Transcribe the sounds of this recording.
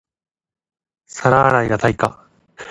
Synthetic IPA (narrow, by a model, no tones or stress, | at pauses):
saɾaːɾaiɡat̪aika